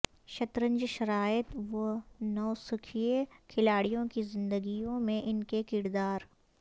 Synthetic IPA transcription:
ʃɐt̪ɾə̃ɲd͡ʒʃɐɾaːɪt̪ʋɐnɔːsʊkʰijekʰɪlaːɽijõkizɪ̃nd̪əɡijõmẽʔɪnkekɪɾd̪aːɾ

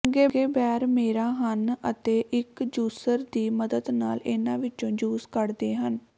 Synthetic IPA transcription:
ŋɡeːɡeːbɛːɾmeːɾaːɦənət̪eːʔɪkd͡ʒuːsəɾd̪iːməd̪əd̪naːlɪnãːʋɪt͡ʃõːd͡ʒuːskəɾd̪eːɦən

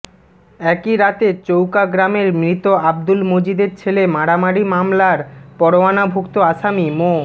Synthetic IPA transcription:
ɛkiɾat̪et͡ɕowkaɡɾameɾmɾit̪oab̚d̪ulmod͡ʑid̪eɾt͡ɕʰelemaɽamaɽimamlaɾpɔɾoanabʱokt̪oaʃamimo

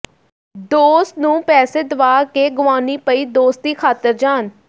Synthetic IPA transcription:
d̪oːst̪nũːpɛːseːd̪əʋaːkeːɡʊʋaːniːpəiːd̪oːst̪̚t̪iːkʰaːt̪əɾd͡ʒaːn

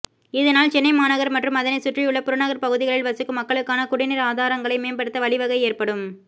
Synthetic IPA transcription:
ɪðɐnaːlt͡ʃɛnːɐɪmaːnɐɣɐɾmɐʈrɯmɐðɐnɐɪsʊʈrijɯɭːɐpʊɾɐnɐɣɐɾpɐɣɯðɪɣɐɭɪlʋɐsɯkːɯmɐkːɐɭɯkːaːnɐkʊɽɪnɪɾaːðaːɾɐŋɡɐɭɐɪmeːnbɐɽɯt̪ːɐʋɐɭɪʋɐɣɐɪeːrpɐɽɯm

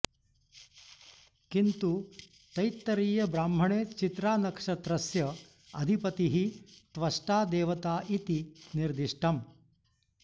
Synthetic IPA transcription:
kint̪u | t̪ɐjt̪ːɐɾiːjɐbɾaːmbʱɐɳeːt͡ʃit̪ɾaːnɐkʂɐt̪ɾɐsjɐ | ɐd̪ʱipɐt̪iɦit̪ʋɐʂʈaːd̪eːʋɐt̪aːʔit̪iniɾd̪iʂʈʰɐm

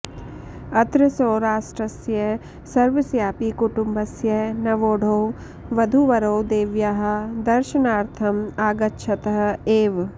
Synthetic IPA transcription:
ɐt̪ɾɪsoːɾaːsʈɾɐsjɐ | sɐɾʋɪsjaːpikuʈumbʱɐsjɐnɐʋoːɽʱoː | ʋɐd̪ʱuʋɐɾoːd̪eːʋjaːɦɐ̆d̪ɐɾʃɐnaːɾt̪ʰɐmaːɡɐtːʃʰɐt̪ɐɦɐ̆eːʋ

